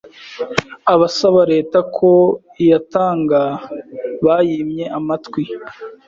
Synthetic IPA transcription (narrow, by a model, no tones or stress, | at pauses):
aβasaβaɾe̞ːtakʰo̞ | jataːŋɡa | βaːjimɲe̞ʔamatkwi